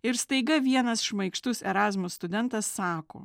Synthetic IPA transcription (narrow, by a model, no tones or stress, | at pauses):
ɪɾst̪ɐɪɡɐʋʲiɛnɐsʃmɐɪkʃt̪ʊsɛɾɑːzmʊst̪ʊd̪ʲɛnt̪ɐsːɑːko̰ː